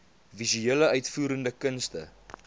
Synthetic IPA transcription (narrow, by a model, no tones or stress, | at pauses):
vizyeːləœɥtfuːɾəndəkənstə